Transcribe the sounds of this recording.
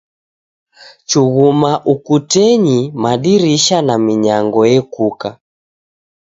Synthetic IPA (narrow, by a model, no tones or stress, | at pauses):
t͡ʃuɣumaʔukutɛɲimaɗiɾiʃanamiɲaŋɡɔjɛkuka